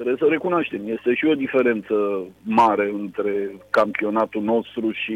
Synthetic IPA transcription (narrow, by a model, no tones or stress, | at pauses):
t̪ɾebsəɾe̞kunoaʃt̪e̞mje̞st̪e̞ʃio̞d̪ife̞ɾe̞nt̪səmaɾe̞ɨnt̪ɾe̞kampio̞nat̪ulno̞st̪ɾuʃi